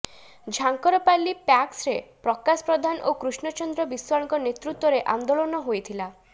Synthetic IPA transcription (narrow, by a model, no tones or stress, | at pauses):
d͡ʒʱaŋkɔɾɔpalːipaksɾepɾɔkaspɾɔd̪ʱanʔo̰kɾusnɔt͡ʃɔnd̪ɾɔbiswaɾɔŋkɔnet̪ɾut̪ːwɔɾeʔa̰nd̪olɔnɔɦojt̪ʰila